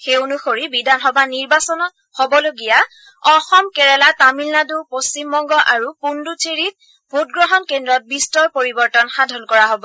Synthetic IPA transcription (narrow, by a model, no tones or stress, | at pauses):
xeonuxoɹibidʱanɦɔbaniɹbasɔnɔ | hɔbɔloɡija | ɔxɔmkɛɹɛlatamilnadupost͡ʃimbɔŋɡɔʔaɹupundutʰeɹit̚ | bʱut̚ɡɹɔɦɔnkendɹɔt̚bistɔɹpoɹibɔɹtɔnxadʱɔnkɔɹaɦobɔ